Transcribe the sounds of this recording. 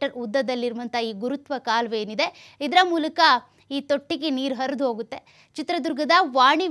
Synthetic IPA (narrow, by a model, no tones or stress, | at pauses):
ʈɐɾud̪ːɐd̪ɐlːiɾʋɐnt̪ʰɐiːɡuɾut̪ʋɐkaːlʋeːnid̪e̞ | id̪ɐɾɐmuːlɐkɐ | iːt̪oʈːikeniːɾɦɐɾɐd̪uɦo̞ːɡut̪ːe̞ | t͡ʃit̪ɾɐd̪uɾɡɐd̪ɐʋaːɳi